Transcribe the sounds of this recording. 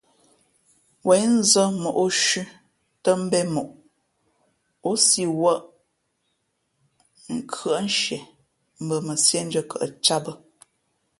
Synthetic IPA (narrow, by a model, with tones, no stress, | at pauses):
wɛ˨˦n̩˦zə˦mo˨ʔo˦ʃʉ˦ | tə˦m̩˦bɛ˦mo˨ʔ | o˦si˦wə˦ʔ | ŋ̩˦kʰə˨ʔn˦ʃɛ˨ | m̩˦bə˨mə˨sje˦n̩˦d͡ʒə˦kə˨ʔt͡ʃa˦bə˦